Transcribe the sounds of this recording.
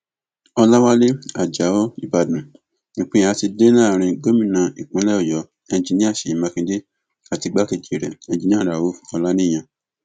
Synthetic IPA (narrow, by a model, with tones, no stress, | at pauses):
ɔ˧la˦wa˦le˦a˨d͡ʒa˨˦o˦i˦ba˧˨dũ˨ | nĩ˨k͡pẽ˦ã˨˦ti˧de˦nã˦˨ɾ̃ĩ˧ɡo˦mĩ˦˨nã˨i˨k͡pũ˨˦lɛ˦ɔ˦˨jɔ˨˦ | ɛ˧ñ˦d͡ʒi˧nĩ˦a˦˨ʃe˨i˨mã˧kĩ˧de˦ | a˨ti˧ɡ͡ba˦ke˦˨d͡ʒe˨ɾɛ˨ɛ̃˨˧d͡ʒi˦˧nĩ˦ã˦˨ɾa˨wo˨˦fɔ˧la˦nĩ˦˨j̃ã˧